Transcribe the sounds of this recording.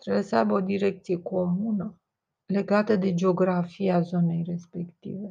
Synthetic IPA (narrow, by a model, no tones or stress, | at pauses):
t̪ɾebesəajbəo̞d̪iɾe̞k̚t̪sije̞kʰo̞munə | le̞ɡat̪əd̪e̞d͡ʒeo̞ɡɾafijeazo̞ne̞jre̞spe̞kt̪ḭve̞